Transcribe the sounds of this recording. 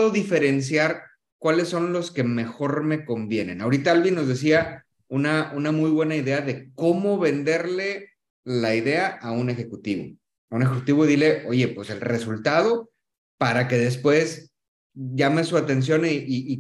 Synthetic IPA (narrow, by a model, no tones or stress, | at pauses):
ðoðife̞ɾe̞ns̬jaɾ | kwale̞sːo̞nlo̞ske̞me̞xo̞ɾme̞ko̞mbjenẽ̞̰nao̞ɾit̪aalβinːo̞zðe̞s̬ia | unaunamujβwe̞naiðe̞aðe̞ko̞mo̞βe̞nd̪e̞ɾle̞ | laiðe̞aʔaune̞xe̞kut̪iβo̞̰ | aunexekut̪iβo̞ðile̞ʔo̞ʝe̞pwe̞se̞lre̞sult̪að̞o̞ | paɾake̞ðe̞spwe̞s | ʝame̞suat̪e̞ns̬jo̞niʔiː